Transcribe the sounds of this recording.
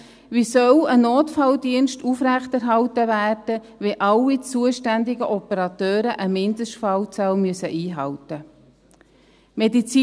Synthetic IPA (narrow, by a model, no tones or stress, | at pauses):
ʋisœwənoːt̪fɑldiənʃtufɾæχtæɾɦɑltəvæːrd̥ə | ʋɛʔɑlːit͡suəʃtænd̪ɪɡəʔɔpəɾɑt̪øːɾəʔəmɪnd̪əʃtfɑlt͡salmyəsəʔiːɦɑwtə | medit͡siː